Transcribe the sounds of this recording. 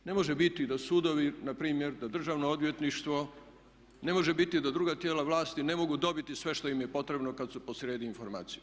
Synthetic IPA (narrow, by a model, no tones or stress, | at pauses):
ne̞mo̞ʒebit̪id̪asuːd̪o̞ʋinapɾiːmjeɾd̪ad̪r̩ʒaːʋnood̪ʋje̞t̪niʃt̪ʋo̞ | ne̞mo̞ʒebit̪id̪ad̪ɾuːɡat̪jeːlaʋlˠaːst̪ine̞mo̞ɡud̪o̞bit̪isʋeʃt̪o̞jimjepo̞t̪ɾe̞bnokad̪supo̞sɾjeːd̪iːnfo̞ɾma̰ːt̪sije